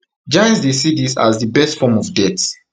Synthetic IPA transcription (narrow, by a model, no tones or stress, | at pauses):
d͡ʒãj̃nsdesidisa̰zðəbɛstfɔmɔvdɛt